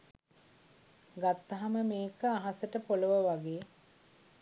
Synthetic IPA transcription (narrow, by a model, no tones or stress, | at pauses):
ɡat̪ːaɦaməmeːkəaɦasəʈəpoləʋəʋaɡeː